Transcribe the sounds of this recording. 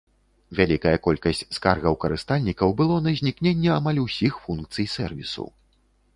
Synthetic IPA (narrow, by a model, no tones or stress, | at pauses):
vʲalʲikɐjɐkɔlʲkɐsʲt͡sʲskarɣɐwkɐɾɨst̪alʲnʲikɐwbɨlˠɔnɐzʲnʲiknʲenʲːɛamalʲusʲixfunkt̪sɨjsɛrvʲḭsṵw